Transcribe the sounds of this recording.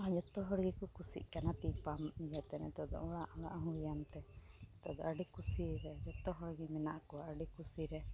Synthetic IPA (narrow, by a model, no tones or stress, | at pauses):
ɦãd͡ʒɔt̪ɔɦɔɽɡikukusḭʔkanat̪ipamd͡ʒat̪ɛnɛ̰t̪ɔd̪ɔ̰ɔɽaʔɔɽa̰ʔɦũijamt̪ɛt̪ɔd̪ɔaɖikusiɾɛd͡ʒɔt̪ɔɦɔɽɡimɛnaʔkuaʔəɖikusiɾɛ